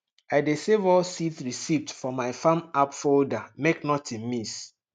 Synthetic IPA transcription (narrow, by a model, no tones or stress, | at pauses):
aɪdesevɔsitɹisivtfɔmaɪfãmapfoldameknɔtʰĩnmis